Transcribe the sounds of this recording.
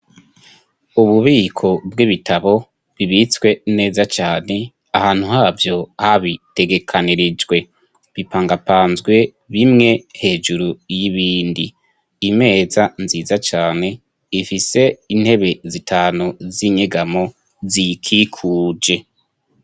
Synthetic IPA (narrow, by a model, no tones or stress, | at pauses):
uβuβiːkʰo̞bɡiβitʰaβo̞ | βiβit͡swe̞ne̞ːzat͡ʃaːne̞ | ahaːn̥huhaːvjo̞haβite̞ɡe̞kʰaniɾid͡ʒwe̞ | βipaːŋɡapaːnzɡwe̞ | βimŋe̞he̞ːd͡ʒuɾujiβiːndiː | me̞ːzanziːzat͡ʃaːne̞ | ifise̞in̥he̞βe̞zitʰaːnuziɲeɡamo̞ | zikʰikʰuːd͡ʒe̞